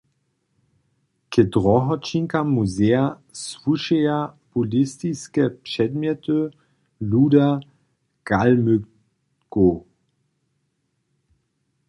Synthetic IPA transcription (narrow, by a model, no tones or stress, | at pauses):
kɛdʁɔɦɔt͡ʃiŋkamuzea | svuʃejab̥ulɪstiskɛpʂɛdmjɛtə | luːda | ɡ̥almø | ko